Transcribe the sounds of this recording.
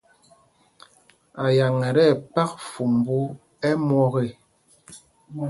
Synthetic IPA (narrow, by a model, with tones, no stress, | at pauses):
a˨ja˨ŋɛ˨ɾɛ˦˨pa˦k̚fu˨m˨bu˦ | ɛ˦mwɔ˦ɣe˦˨